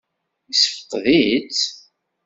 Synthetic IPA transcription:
isəfə̥q̪ːðit͡s

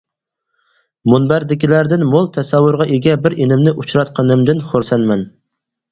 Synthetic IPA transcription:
munbæɾd̪ɪkʲilæɾd̪ɪnmolˠt̪ʰɛsæwːʊɾʁɑʔeɡʲɛbɪɾenɪmnɪʔut͡ʃʰɾɑt̪qʰɑnɨmd̪ɪnχoɾsɛnmɛn

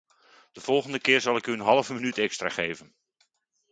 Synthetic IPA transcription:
d̥əv̥ɔlˠχəndəkɪːɹzɑlˠɪkyənɦɑlˠəvəmənytɛkstra̰ːχejvən

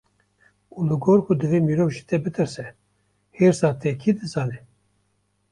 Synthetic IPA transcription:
ulɨɡoːɾkʰud̪ɨveːmiːɾoːvʒit̪ɛbɨt̪ɨɾsɛ | heːɾsɑːt̪ʰɛkʰid̪ɨzɑːnɛ

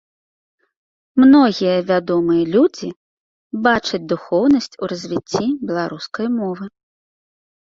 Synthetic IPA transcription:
mnɔɣʲijɐvʲad̪ɔmɨjɐlʲud͡zʲi | bat͡ʂɐd͡zʲd̪uxɔwnɐsʲt͡sʲuɾɐzʲvʲit͡st͡sʲːibʲɛlˠaɾuskɐjmɔvɨ

